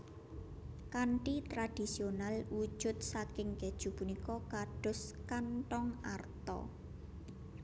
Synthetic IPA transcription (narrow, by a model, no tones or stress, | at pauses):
kaɳʈit̪ɾad̪̥i̤sionalwu̥ʒ̥ʊ̤t̪̚sakɪŋɡe̤d̥ʒ̥ṳpunikɔkaɖ̥ʊ̤skanʈɔŋart̪ɔ̰